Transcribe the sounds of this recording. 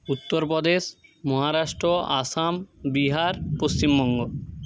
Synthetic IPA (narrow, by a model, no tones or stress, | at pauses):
ut̪ːoɾpod̪eʃmɔɦaɾaʃʈɾoʔasambiɦaɾpost͡ɕimbɔŋɡo